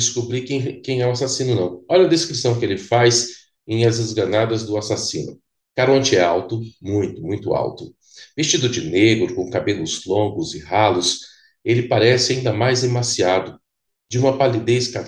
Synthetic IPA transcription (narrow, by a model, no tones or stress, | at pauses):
ɪskubɾikẽkẽj̃ɛw̃asasĩnʊnɐ̃w̃ɔʎɐd̪eskɾisɐ̃w̃kɪelɪfajz | ẽj̃ɛzɐzɡɐnad̪ɐzd̪ʊasasĩnʊ | kaɾɐõnd͡ʒɪɛawt̪ʊmũj̃t̪ʊmũj̃t̪ʊa̰wt̪ʊ | vest͡ʃid̪ʊd͡ʒɪneɡɾʊkõkabelʊzlõŋɡʊzɪhalʊs | elɪpaɾɛsɪaĩnd̪ɐmajzd̪emasiad̪ʊ | d͡ʒɪũmɐpalid̪eska